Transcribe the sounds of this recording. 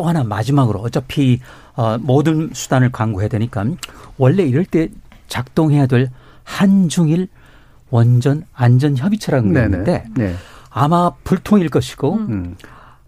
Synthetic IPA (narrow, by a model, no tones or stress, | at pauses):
t͈oɦanamad͡ʑimaɡɯɾoʌt͡ɕʌpʰi | ʌmodɯnsʰu̥danɯɭkwaŋɡoɦedweɲik͈awʌɭːe̞iɾʌɭt͈e̞ | t͡ɕak̚t͈oŋɦe̞jadweɭ | hand͡ʑuŋiɭ | wʌnd͡ʑʌnand͡ʑʌnçjʌbit͡ɕʰʌɾanɡede̞ | amapuɭtʰoŋiɭk͈ʌɕʰi̥ɡ̥o